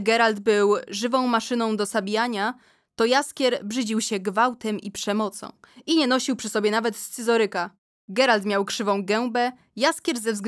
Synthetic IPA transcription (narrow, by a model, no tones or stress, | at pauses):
ɡɛɾald̪bɘwʐɘvɔ̃w̃maʂɘnɔ̃w̃d̪ɔsabʲjaɲa | t̪ɔjaskʲɛɾbʐɘd͡ʑiwɕɛɡvawt̪ɛmipʂɛmɔt̪sɔ̰̃w̃iɲɛnɔɕiwpʂɘsɔbʲjɛnavɛt̪st̪sɘzɔɾɘka | ɡɛɾalt̪mʲjawkʂɘvɔ̃w̃ɡɛw̃bɛ | jaskʲjɛɾzɛvzɡ